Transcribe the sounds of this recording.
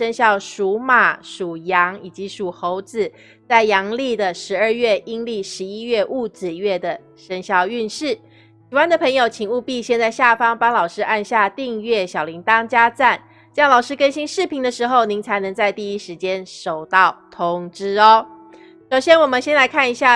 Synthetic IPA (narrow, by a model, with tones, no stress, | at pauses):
ə˥nɕjɑ˥˩ʊʂu˧˥ma˨˩ʂu˨˩jɑ˧˥ŋi˨˩t͡ɕi˧˥ʂu˨˩xo˧˥ʊt͡sɹ̩˨˦ | t͡sa˥˩ɪjɑ˧˥ŋli˥˩d̪ə˩ʂɻ̩˧˥ə˞˥˧ɥɛ˥˩ʔi˥ŋli˥˩ʂɻ̩˧˥i˥ɥɛ˥˧ʔu˥˩t͡sɹ̩˨˩ɥɛ˥˩d̪ə˩ | ʂə˥nɕjɑ˥˧ʊy˥˧nʂɻ̩˥˩ | si˨˩wa˥˦nd̪ə˨pʰə˧˥ŋjo˨˧ʊt͡ɕʰi˨˩ŋu˥˧pi˥˧ɕjɛ˥˧nt͡sa˥˧ɪɕja˥˩fɑ˥ŋpɑ˥ŋlɑ˨˩ʊʂɻ̩˥ʔa˥˧nɕja˥˧t̪i˥˧ŋɥɛ˥˩ɕjɑ˨˩ʊli˧˥ŋt̪ɑ˥ŋt͡ɕja˥t͡sa˥˩n | t͡ɕjɑ˥˩ŋlɑ˨˩ʊʂɻ̩˥kə˥nɕi˥ŋʂɻ̩˥˩pʰi˧˥ŋd̪ə˧ʂɻ̩˧˥xo˥˩ʊni˧˥ŋt͡sʰa˧˥ɪnɤ˧˥ŋt͡sa˥˧ɪt̪i˥˩i˥ʂɻ̩˧˥t͡ɕjɛ˥nʂo˨˩ʊt̪ɑ˥˨˩ʊt̪ʰʊ˧˥ŋʈ͡ʂɻ̩˥ɔ˦ | ʂo˨˩ʊɕjɛ˥nwɔ˨˩mə˨˦nɕjɛ˥nla˧˥ɪkʰa˥˩ni˧˥ɕja˥˩